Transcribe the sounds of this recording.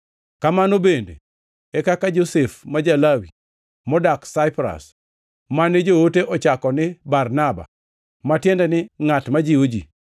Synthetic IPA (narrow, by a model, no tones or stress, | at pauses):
kamanobendḛ | ɛkakad͡ʒosɛfmad͡ʒalawi | mɔdaksaɪpɾa̰s | manɪd͡ʒowoteʔɔt͡ʃakɔnɪbarnaba̰ | matjɛndɛnɪŋatmad͡ʒiod͡ʒḭ